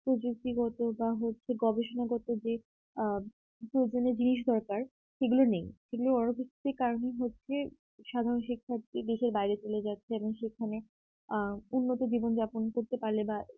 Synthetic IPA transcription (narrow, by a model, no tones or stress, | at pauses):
pɾod͡ʑuk̚t̪iɡɔt̪obaɦotːɕʰeɡɔbeʃonaɡɔt̪od͡ʑe | pɾod͡ʑoneɾd͡ʑiniʃ̬d̪ʱɔɾkaɾ | ʃeɡulonejʃeɡuloɔnobʰʱiki̥t̪eɾkaɾonejɦotːɕʰe | ʃad̪ʱaɾonʃikʰːat̪ked̪eʃeɾbajɾet͡ɕoled͡ʑatːɕʰeeboŋʃekʰane | unːot̪od͡ʑibond͡ʑaponkoɾt̪epaɾleba